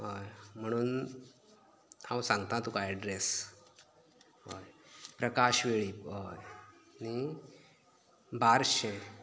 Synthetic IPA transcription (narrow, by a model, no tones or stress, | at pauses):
ɦojm̤əɽ̃uːn | awsãŋɡt̪ãt̪ukajɛɖɾes | ɦo̰jpɾəkaɕʋeɭiɦojni | baɾɕẽ